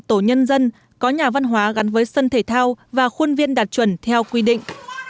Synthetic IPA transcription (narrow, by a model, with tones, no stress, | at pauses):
t̪o˧˩ɲə˧nzə˧n | kɔ˨˦ɲaː˨˩va˧nɦwaː˨˦ɣa˨˦nvəː˨˦jsə˧nt̪ʰe˧˩t̪ʰaː˧wvaː˨˩xu˧nvi˧ənɗaː˨˩t̚t͡ɕwə˧˩nt̪ʰɛ˧wkwi˧ɗḭ̈˧˨ŋ̟